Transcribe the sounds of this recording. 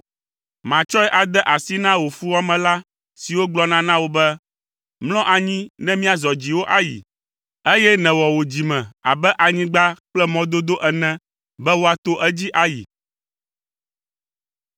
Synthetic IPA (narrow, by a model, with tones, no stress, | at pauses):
mã˨t͡ʃɔ˦ɛ˦ʔa˨d̪ɛ˦ʔa˨si˦nã˦wo˨fu˦wɔ˦mɛ̃˨la˦ | si˨wo˦ɡ͡blɔ˦nã˦nã˦wo˦bɛ˦ | mlɔ̃˦ʔa˨ɲĩ˦nɛ̃˦mĩ˦a˨zɔ˨d͡ʑi˨wo˦ʔa˨jḭ˨ | ɛ˦jɛ˦nɛ̃˨wɔ˨wo˨d͡ʑi˨mɛ̃˨a̰˨bɛ˦ʔa˨ɲĩ˦ɡ͡ba˦k͡plɛ˦mɔ̃˦d̪o˦d̪o˦ʔɛ˨nɛ̃˦ | bɛ˦wo˦a˨t̪o˦ʔɛ˦d͡ʑi˦ʔa˨jḭ˨